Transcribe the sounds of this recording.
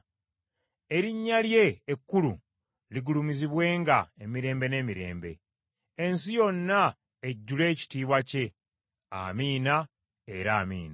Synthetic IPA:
e̞ɾiɲːalje̞ːkːulṵ | liɡulumiziβwe̞ːŋɡae̞miɾe̞ːmbe̞ne̞ːmiɾe̞̰ːmbe̞̰ː | nsijo̞nːa | eɟːule̞ːci̥tiːβwace̞ | a̰miːna | e̞ɾaːmḭːna

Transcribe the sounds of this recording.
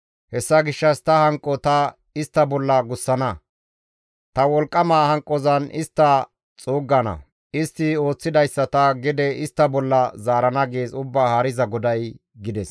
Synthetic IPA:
hɛsːɐɡɪʃːɐst̪ɐhɐŋkʼːɔt̪ɐ | ɪst̪ːɐbɔlːɐɡʊsːɐnɐ | t̪ɐwɔlkʼːɐmaːhɐŋkʼːɔzɐnɪst̪ːɐ | t͡sʼuːɡːɐnɐ̰ | ɪst̪ːɪo̞ːt͡sːɪd̪ɐjsːɐt̪ɐɡɪd̪ɛɪst̪ːɐbɔlːɐzaːɾɐnɐɡeːzʊbːaːhɐɾɪzɐɡɔd̪ɐj | ɡɪd̪ɛs

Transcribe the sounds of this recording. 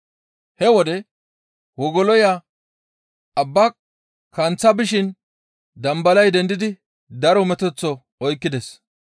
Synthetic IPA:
hɛwɔd̪ɛ | wɔɡɔlɔja | ɐbːɐ | kɐnt͡sːɐbɪʃɪn | d̪ɐmbɐlɐjd̪ɛnd̪ɪd̪ɪ | d̪ɐɾɔmɛt̪ɛt͡sːɔ | ɔjkːɪd̪ɛs

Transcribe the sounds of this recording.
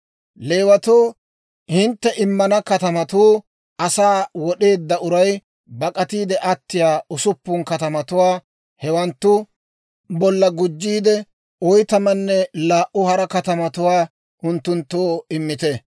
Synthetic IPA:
le̞ːwɐt̪oː | hɪnt̪ːɛʔɪmːɐnɐkɐt̪ɐmɐt̪uː | ʔɐsaːwɔɗe̞ːd̪ːɐʊɾɐj | bɐkʼɐt̪iːd̪ɛʔɐt̪ːɪjaːʊsʊpːʊŋkɐt̪ɐmɐt̪ʊwaː | hɛwɐnt̪ːʊ | bɔlːɐɡʊd͡ʒːiːd̪ɛ | ɔjt̪ɐmɐnːɛlaːʔʊhɐɾɐkɐt̪ɐmɐt̪ʊwaː | ʔʊnt̪ːʊnt̪ːoːɪmːɪt̪ɛ

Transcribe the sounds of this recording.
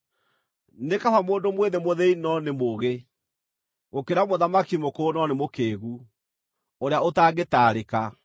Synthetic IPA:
nekafamoːndomweðemoðeinɔnemoɣe | ɣokeɾamoðamakimokoːnɔnemokeːɣu | oɾeaotaːɡetaːɾeka

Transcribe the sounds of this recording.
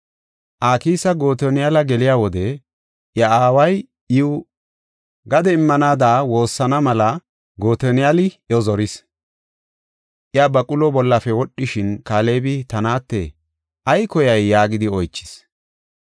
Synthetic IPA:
ʔaːkiːsɐɡo̞ːt̪ɔnɪjalɐɡɛlɪjaːwɔd̪ɛ | ʔjɐaːwɐj | ɪʊ | ɡɐd̪ɛɪmːɐnaːd̪aːwo̞ːsːɐnɐmɐlɐ | ɡo̞ːt̪ɔnɪjalɪ | ɔzɔɾɪs | ʔjabɐkʼʊlɔbɔlːɐfɛwɔɗːɪʃɪnkaːle̞ːbɪt̪ɐnaːt̪ːɛ | ʔɐjkɔjɐjːaːɡɪd̪ɪɔjt͡ʃːɪ̥s

